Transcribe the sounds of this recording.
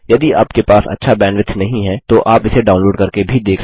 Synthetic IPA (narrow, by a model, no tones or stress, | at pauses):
jɐd̪iaːpkepaːsɐ̰tːʃʰabɛːɳɖʋɪt̪ʰnɐɦĩɦɛt̪oʔaːpɪseɖaːʊnloːɖkɐɾkebʱid̪eːkʰ